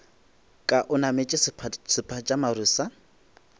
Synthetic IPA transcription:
kʼaʔʊnamet͡ʃʼɪsʰsɪpʰʼat͡ʃʼamaruːsa

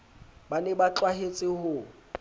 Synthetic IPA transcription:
banɛbat͡ɬwaɦet͡sʼɪhʊ

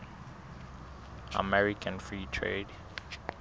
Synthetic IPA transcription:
a̰mɛɹikʰãnfɹitʰɹḛd

